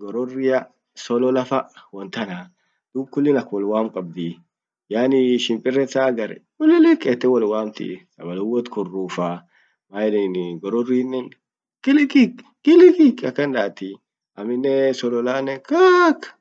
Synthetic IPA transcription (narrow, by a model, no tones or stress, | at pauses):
ɡɔɾɔrːɪjɐ | sɔlɔlɐfɐwɔnt̪ɐna | d̪̥uːb̚kʊlːɪnɐkwɔlwaːmkʼɐb̚d̪i | jaːnɪʃɪmpʼɪrːɛsaːɡɐɾɛ̰kʊlːɪlɛkʼɛt̪ːɛwɔlwaːmt̪ɪ̰sɐbɐlʊwɔt̪kʊrːuːfa | maːjninɡɔɾɔriːnːɛ | ɡɪlɪkik | ɡ̥ɪlɪkikɐkːɐnd̪aːt̪i | ʔɐmɪnːɛsɔlɔlaːnːɛkakː